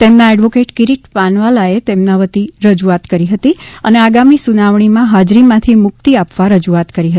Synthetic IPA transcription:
t̪emnaɛɖʋokeʈkiɾiʈpanʋalaet̪emnaʋət̪iɾəd͡ʒuat̪kəɾiɦət̪iəneaɡamisunaʋɳ̃imãɦad͡ʒɾimãt̪ʰimʊk̚t̪iapʋaɾəd͡ʒuat̪kəɾiɦə

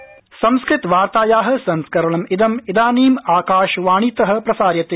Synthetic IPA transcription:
sɐmskɾɪt̪ʋaːɾt̪aːjaːɦɐ̆sɐnskɐɾɐɳɐmid̪ɐmid̪aːniːmaːkaːʃʋaːɳ̃it̪ɐɦɐ̆pɾɐsaːɾjɐt̪e

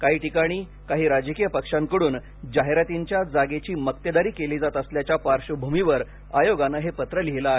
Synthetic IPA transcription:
kaɦiːʈikaɽ̃iː | kaɦiːɾad͡ʑəkijəpəkʂãŋkəɽuːn | d͡ʑaɦeɾat̪iɲt͡ɕjad͡zaɡet͡ɕiːmək̚t̪jəd̪aɾiːkeliːd͡zat̪əsljat͡ɕjapaɾɕəbʱumiʋəɾ | ajoɡanəɦepət̪ɾəliɦelaaɦe

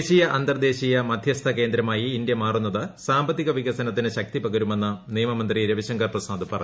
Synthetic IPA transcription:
ɕijɐʔɐnt̪ɐrd̪e̞ːɕijɐmɐd̪ʱjɐst̪ʰɐke̞ːnd̪ɾɐmaːjiːnd̪jɐmaːrunːɐðɨsaːmbɐt̪ːiɣɐʋiɣɐsɐnɐt̪ːineɕɐk̚t̪ipɐɣɐɾume̞nːɐnijɐmɐmɐnd̪riɾɐʋiɕɐŋɡɐrprɐsaːd̪ɨpɐrɐ̰

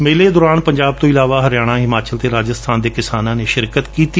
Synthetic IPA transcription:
meːleːd̪ɔːɾaːnpəɲd͡ʒaːb̚t̪õːɪlaːʋaːɦəɾɪjaːɽ̃ãːɦɪmaːt͡ʃəlt̪eːɾaːd͡ʒəst̪ʰaːnd̪eːkɪsaːnãːneːʃɪɾkət̪kiːt̪iː

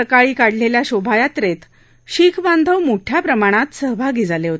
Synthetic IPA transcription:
əkaɭiːkaɽ̤leljaɕobʱajat̪ɾet̪ | ɕiːkʰband̪ʱəʋmoʈʰjapɾəmaɽ̃at̪səɦbʱaɡiːd͡zʱaleɦot̪e

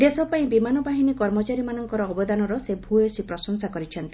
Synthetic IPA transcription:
d̪esɔpaĩbimanɔbaɦinikɔɾmɔt͡ʃaɾimanɔŋkɔɾɔːbɔd̪anɔɾɔsebʱuesipɾɔsɔŋsakɔɾit͡ʃʰɔnt̪i

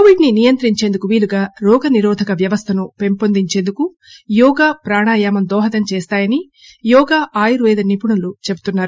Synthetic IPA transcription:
koʋiɖninijɐnt̪ɾiɲt͡ʃe̞ːnd̪ukuʋiːluɡaːɾɔːɡɐniɾɔːd̪ʱɐkɐʋjɐʋɐst̪ʰɐnupe̞mpond̪iɲt͡ʃeːnd̪uku | jɔːɡaːpɾaːɳaːjaːmɐmd̪ɔːɦɐt̪ɐmt͡ʃeːst̪aːjɐni | jɔːɡaːʔaːjuɾuʋɛːd̪ɐnipuɳulut͡ʃe̞bu̥t̪unːaːɾu

